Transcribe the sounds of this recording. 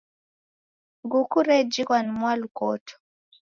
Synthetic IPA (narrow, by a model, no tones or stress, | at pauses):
ɡukuɾɛd͡ʒikwanmwalukɔ̰tʰɔ̥